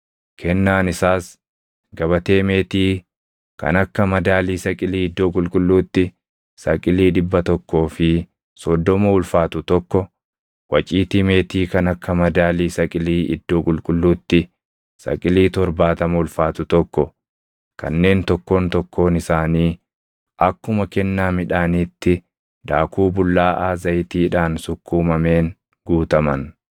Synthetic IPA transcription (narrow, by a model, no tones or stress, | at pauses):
kʰɛnːaːnɪsaːs | ɡɐβɐt̪e̞ːme̞ːt̪iː | kɐ̰nɐkːɐmɐd̪aːliːsɐkʼɪliːɪd̪ːo̞ːkʼʊlkʼʊlːuːt̪ːɪ | sɐkʼɪliːᶑɪbːɐt̪ɔkːo̞ːfɪ | sɔd̪ːɔmɐʊlfaːt̪ʊt̪ɔkːɔ | wɐt͡ʃʼiːt̪ime̞ːt̪iːkɐnɐkːɐmɐd̪aːliːsɐkʼɪliːʔɪ̰d̪ːo̞ːkʼʊlkʼʊlːuːt̪ːɪ | sɐ̰kʼɪliːt̪ɔɾbaːt̪ɐmɐʊlfaːt̪ʊt̪ɔkːɔ | kɐ̰nːe̞ːnt̪ɔkːo̞ːnt̪ɔkːo̞ːnɪsaːniː | ʔɐkːʊmɐkɛnːaːmɪᶑaːniːt̪ːɪ | d̪aːkuːbʊlːaːʔaːzɐjt̪iːᶑaːnsʊkːuːmɐme̞ːn | ɡuːt̪ɐmɐn